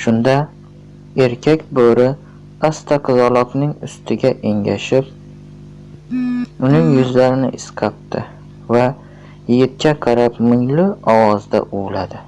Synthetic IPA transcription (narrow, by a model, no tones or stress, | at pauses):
ʃʊnd̪a | e̞ɾkʲʰakʲboɾɪ | ast̪ʰaqʰɨzɒlˠɒknɪŋʊst̪ʰɪɡʲaʔe̞ŋɡʲaʃɪp | ʊnɪŋjʊzlaɾɪnɪ̰ʔɪsqʰap̚t̪ʰɪ̰ | va | jɪɡʲɪt̪̚kʲaqʰɑɾapmɪŋlɪɒwɒzd̪a̰ʔʊwlad̪ɪ